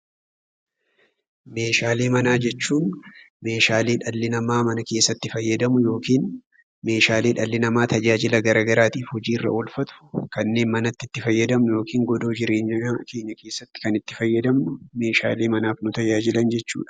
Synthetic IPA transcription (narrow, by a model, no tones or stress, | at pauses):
me̞ːʃaːleːmɐnaːd͡ʒɛt͡ʃːuːn | me̞ːʃaːleːᶑɐlːɪnɐmaːmɐnɐke̞ːsːɐt̪ːɪfɐjːɐd̪ɐmʊjo̞ːkiːn | me̞ːʃaːle̞ːᶑɐlːɪnɐmaːt̪ɐd͡ʒaːd͡ʒɪlɐɡɐɾaːɡɐɾaːt̪iːfhɔd͡ʒiːɪrːɐ̰ʔolfɐt̪ʊ̥kɐnːe̞ːnmɐnɐt̪ːɪt̪ːɪfɐjːɐd̪ɐmnʊjo̞ːkʰiːŋɡɔd̪o̞ːd͡ʒɪɾeːɲɐkʰe̞ːɲːɐke̞ːsːɐt̪ːɪ̥kɐnɪt̪ːɪfɐjːɐd̪ɐmnʊme̞ːʃa̰ːleːmɐnaːfnʊt̪ɐd͡ʒaːd͡ʒɪlɐnd͡ʒɛt͡ʃːṵːᶑɐ̥